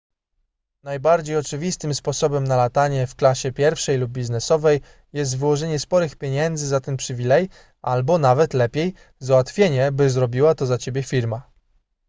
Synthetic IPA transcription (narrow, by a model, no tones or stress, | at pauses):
najbaɾd͡ʑejɔt͡ʂɘvʲist̪ɘmspɔsɔbɛmnalat̪aɲɛfklaɕɛpʲjɛɾfʂɛjlub̚ːʲiznɛsɔvɛj | jɛs̬t̪vɘwɔʐɛɲɛspɔɾɘxpʲjeɲɛnd̪zɘzat̪ɛnpʂɘvʲilɛj | ʔalbɔnavɛt̪lɛpʲjej | zawat̪fʲjeɲɛbɘzɾɔbʲiwat̪ɔzat͡ɕebʲjɛfʲiɾma